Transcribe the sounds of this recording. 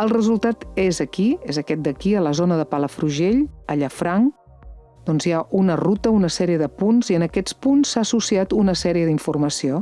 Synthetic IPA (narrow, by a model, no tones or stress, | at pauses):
əlˠrəzulˠt̪at̪ezəkiezəkɛt̪̚d̪əkiələzonəðəpaləfɾuʒeʎəʎəfɾaŋ | d̪̥ɔnzjaʔunərut̪əunəsɛɾiəðəpunziənəkɛt͡spunsːaəsusiat̪unəsɛɾiəðiɱfurməsio